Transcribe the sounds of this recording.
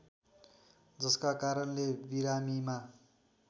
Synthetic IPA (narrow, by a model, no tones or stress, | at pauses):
d͡zʌskakaɾʌnlebiɾamima